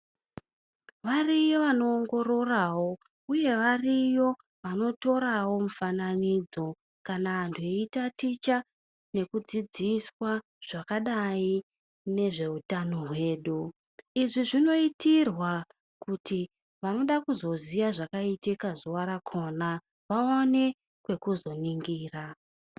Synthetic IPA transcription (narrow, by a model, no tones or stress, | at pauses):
ʋarijoʋano̞ːŋɡo̞ɾo̞rawo̞ | uje̞ʋarijo̞ | ʋano̞to̞ɾawo̞mufananid͡zo̞ | kanandʱoitatit͡ʃa | ne̞kud͡zid͡ziswa | ʐ̥akaɗai | ne̞ʐe̞utanoɦwe̞ːɗu | iʐiʐino̞itirwa | kuti | ʋano̞ɗakuzo̞ziʋaʐakaitikazowaɾakʰo̞ːna | ʋaone̞ | kwe̞kuzo̞niŋɡiːra